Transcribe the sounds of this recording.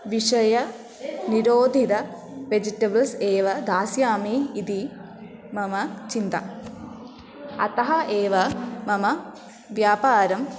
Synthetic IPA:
ʋiʂɐjɐ | niɾoːd̪ʱid̪ɐ | ʋed͡ʒiʈːɐbɐlseːʋɐd̪aːsjaːmiːd̪i | mɐmɐt͡ʃint̪ɐ | ɐt̪ɐɦɐʔeːʋɐmɐmɐ | ʋjaːpaːɾɐm

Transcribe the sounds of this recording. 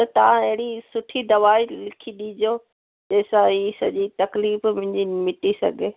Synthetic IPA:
t̪ɐt̪ɐʋãɐɦɪɽisʊʈʰid̪ɐʋaːilɪkʰiɗiːd͡ʑoː | d͡ʑeːsãiːsɐ̰ʄit̪ɐkliːfmʊ̃ɪ̃ɲd͡ʑimɪʈisɐ̰ɡʱeː

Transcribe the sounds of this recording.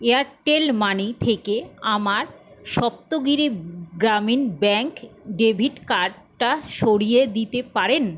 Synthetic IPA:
eaɾʈelmanit̪ʰekeamaɾʃɔp̚t̪oɡiɾiɡɾaminbɛŋkɖebʱiʈkaɾɖ | ʈaʃoɽijed̪it̪epaɾen

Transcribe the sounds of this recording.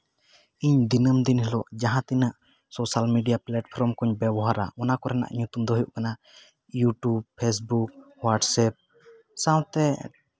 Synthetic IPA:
iɲd̪inəmd̪inhɛlɔʔd͡ʒaɦãt̪inaʔ | sɔsalmiɖijaplaʈpʰɔɾɔmkɔɲbɛbɔɦaɾa̰ʔɔnakɔɾɛna̰ʔɲut̪umd̪ɔɦɔjuʔkana | juʈubpʰes̬buk̚ | waʈsɛp̚ | sãw̃t̪ɛ

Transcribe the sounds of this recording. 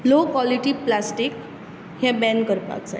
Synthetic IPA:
lokwaliʈiplasʈik | hjɛ̃bɛ̃nkəɾpa̰k̚d͡za̰

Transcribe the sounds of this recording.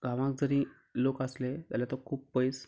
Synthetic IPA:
ɡʱãʋãk̚d͡zəɾĩ | lokaslet̪jalat̪okʰuːp̚ːpəjs

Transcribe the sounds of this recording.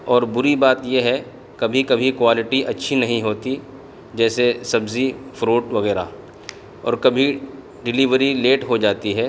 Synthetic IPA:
ɔːɾbʊɾibaːt̪jeɦɛ | kɐbʱikɐbʱikwaːlɪʈiʔɐtːʃʰinɐɦĩɦoːt̪i | d͡ʒɛːsesɐbzifʰɾoːʈʋɐɣɛːɾa | ɔ̰ːɾkɐbʱi | ɖɪliʋəɾileːʈɦod͡ʒaːt̪iɦɛː

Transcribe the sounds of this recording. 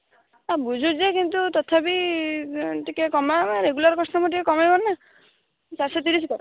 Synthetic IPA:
abud͡ʒʱud͡ʒekint̪ut̪ɔt̪ʰapi | ʈikekɔmaaɾeɡulaɾkɔsʈɔmɔʈikekɔmajbɔnnːa | t͡ʃaɾsɔt̪̬iɾis̬ikɔɾ

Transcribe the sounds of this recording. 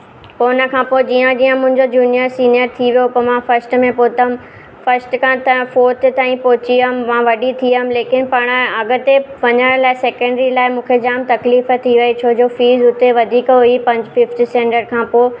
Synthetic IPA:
koːnə̆kʰãːpod͡ʑiːə̃d͡ʑiːə̃mʊ̃ɦɪ̃ɲd͡ʑod͡ʑuːnijəɾsiːnijəɾt̪ʰiʋijopɐmãːfɐɾsʈmẽpoːt̪əm | fɐɾsʈkʰãt̪ɐfoːɾt̪ɪt̪aːĩpoːt͡ɕiəɦmmãːʋɐɗit̪ʰiəɦmleːkɪnpɐɽ̃əɐɡ̆t̪eʋɐɲəɽ̃laːɪseːkə̃ɳɖɾilaːɪmũːkʰed͡ʑaːmt̪ɐkliːfət̪ʰiʋɐet͡ɕʰod͡ʑoːfiːzʊt̪eʋɐd̪ʱiːkɦʊipɐ̃ɲd͡ʑfɪfʈisẽːɳʈəɾkʰãːpoː

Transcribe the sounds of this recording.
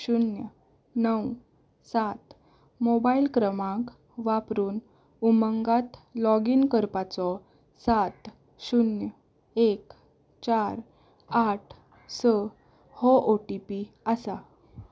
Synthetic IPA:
ɕunjə | nəw | sat̪ | mobailkɾəmãŋk | ʋapɾuːn | uməŋɡat̪lɔɡinkəɾpat͡sɔ | sat̪ | ɕunjə | ek | t͡ɕaɾ | aʈʰ | sə | hɔʔoʈipi | əsa

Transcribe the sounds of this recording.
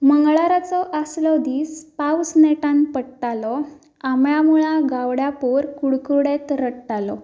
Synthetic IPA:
məŋɡɭaɾat͡sɔʔaslɔd̪ispawsneʈãnpəɽʈalɔ | amjamuɭãɡawɽjapuɾkuɽkuɽet̪ɾəɽʈalɔ

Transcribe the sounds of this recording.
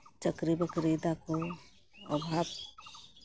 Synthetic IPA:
t͡ʃəkɾibəkɾed̪ako | ə̰bʱaːb

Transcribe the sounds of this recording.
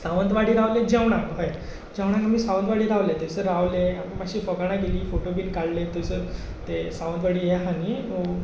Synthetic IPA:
saʋənt̪ʋaɽiːɾaʋlẽd͡ʑɛʋɳakɦəj | d͡ʑə̃ʋɳ̃akamiːsaʋə̃nt̪ʋaɽiːɾaʋlet̪esəɾaʋleammaɕiːfəɡaɳ̃ãkeliːfoʈobinkaɭlet̪esə | t̪esaʋə̃nd̪ʋaɽiːjeɦani

